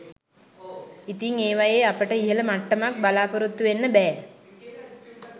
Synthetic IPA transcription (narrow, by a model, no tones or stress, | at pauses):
it̪iŋeːʋajeapəʈəiɦələmaʈːəmak̚balaːpəɾut̪ːuʋenːəbɛː